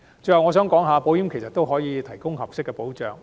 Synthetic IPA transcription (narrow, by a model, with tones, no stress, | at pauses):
t͡sɵ˧jhɐ˨wŋɔː˨˧s̬œː˨˥ŋkɔː˨˥ŋɦaː˨˧po˨˧wjiː˨˥mkʰe˨˩jsɐ˨t̪o˥wɦɔː˨˥jiː˨˧t̪ʰɐ˨˩jkʊ˥ŋhɐ˨p̚sɪ˥kːɛ˧po˨˥wt͡ʃœː˨ŋ